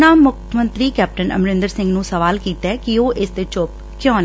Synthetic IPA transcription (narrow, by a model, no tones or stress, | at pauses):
naːmːʊkʰmə̃nt̪ɾiːkɛːp̚ʈənʔə̰mɾɪ̃nd̪əɾsɪ̃ŋɡnũːsəʋaːlkiːt̪ɛːkɪoːʔɪsd̪eːt͡ʃop̚ | kʰjɔ̃ːn